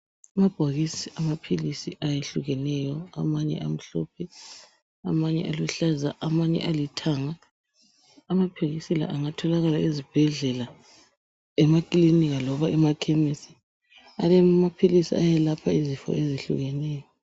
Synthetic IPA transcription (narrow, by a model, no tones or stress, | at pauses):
amab̥ʱaɣisiamapʰilisiʔajeɬuɣɛnɛjɔa̰maɲɛ̰ʔam̩ɬɔ̰pʰɛ | amaɲɛ̰ʔaluɬazaʔamaɲɛ̰ʔalitʰaŋa | mapʰiɣisila̰ʔaŋatʰɔlaɣalaizib̥ʱɛɮɛla | ɛmakʼiliniɣalɔβaɛmakʰɛmisi | alɛmapʰilisḭajɛlapʰaizifɔ̰eziɬṵɣɛnɛːjɔ